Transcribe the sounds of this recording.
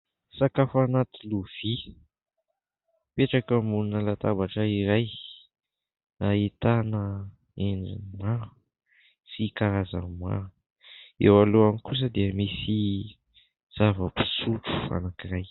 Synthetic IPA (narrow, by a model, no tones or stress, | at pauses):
sakafanat̪iluv̥i | peʈ͡ʂakəmununəlat̪abaʈ͡ʂəiɾaj | ait̪anə | eɳɖ͡ʐḭnima | sikaɾaza̰mma̰ | ewaloamikus̬əd̪eəmisi | z̥avəpi̥suʈ͡ʂu̥fa̰nakiɾaj